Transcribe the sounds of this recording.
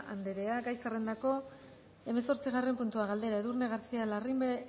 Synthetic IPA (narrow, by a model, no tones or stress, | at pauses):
a̰nd̪e̞ɾe̞aɡajsare̞nd̪ako̞ | e̞meso̞ɾt͡siɣare̞mpunt̪uaɣald̪e̞ɾaeðurne̞ɣaɾt͡sialarimbe